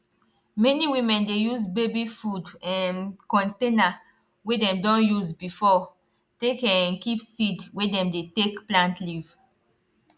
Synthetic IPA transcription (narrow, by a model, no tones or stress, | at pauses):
mɛniwĩmɛ̃ndejuzbebifudɛ̃nkɔ̃ntẽna | wɛdɛ̃mdɔ̃njuzbifɔ | tekɛ̃nkipsidwɛdɛ̃mdetekplãntliv̥